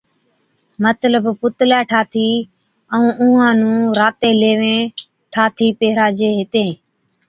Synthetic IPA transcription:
mət̪ləbpʊt̪laːʈʰaːt̪ʰiː | əũːʔʊ̃ːãːnũːɾaːt̪eːleːʋẽː | ʈʰaːt̪ʰiːpeɦɾaːd͡ʒeːɦɪt̪ẽː

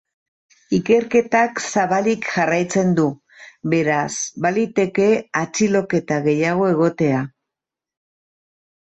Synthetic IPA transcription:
ike̞ɾke̞t̪aksaβalikʝarajt͡se̞nd̪u | βe̞ɾasbalit̪e̞ke̞at͡silo̞ke̞t̪aɣe̞jaɣ̞o̞e̞ɣ̞o̞t̪e̞a

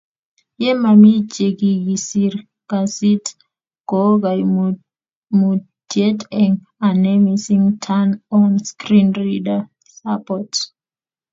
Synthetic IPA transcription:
jemamid͡ʒeɡiɡisiɾ | kasit | ɡ̥oɡaj | mu | tjetɛŋ | anɛmisiŋtʰanɔnskɾinrida | sapɔt

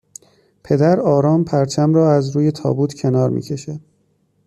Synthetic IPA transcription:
pʰe̞d̪æɾɒːɾɒːmpʰæɾt͡ʃʰæmɾɒːæzɾuːje̞t̪ʰɒ̰ːbuːt̪ʰcʰe̞nɒːɾmʔḭːcʲʰe̞ʃæd̪̥

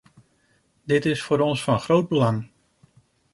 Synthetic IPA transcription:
dɪtɪsfʊːɾɔnsfɑnχrowd̚bəlɑŋ

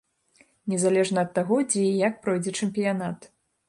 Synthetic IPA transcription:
nʲɛzalʲɛʐnɐːt̪ːaɣɔd͡zʲɛjak̚pɾɔjd͡zʲɛt͡ʂɛmpʲijanat̪

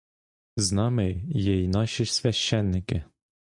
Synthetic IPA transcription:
znɑmejjɛjnɑʃɪsʲʋʲæʃːɛnːɪkɪ

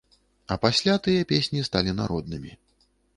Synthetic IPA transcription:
ɐpasʲlʲat̪ɨjɐpʲesʲnʲist̪alʲina̰ɾɔd̪̚nɨmʲi

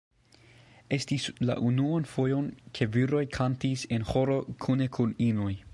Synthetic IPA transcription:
e̞stisla̰ʔunuanfojonkʰe̞viɾo̞jkʰantise̞nho̞ɾo̞kʰunekʰuninuj

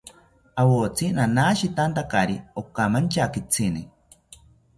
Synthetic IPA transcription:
awot͡sʰinanaʃit̪ant̪akaɾiokamant͡ʃakit͡sʰini

